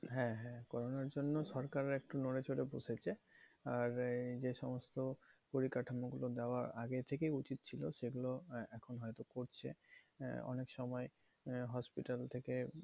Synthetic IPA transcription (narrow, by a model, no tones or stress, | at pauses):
ɦɛ̃ɦɛ̃kɔɾonaɾd͡ʑonːoʃɔɾkaɾeɾek̚ʈunoɽet͡ɕoɾeboʃʰet͡ɕʰeaɾd͡ʑeʃɔmost̪opoɾikaʈʰamoɡulod̪eoaɾaɡet̪ʰekejut͡ɕit̪̚t͡ɕʰiloʃeɡuloɛkʰonɦɔet̪okoɾt͡ɕʰḛ | ɔ̰nekʃɔmɔe | ɦɔspiʈalt̪ʰeke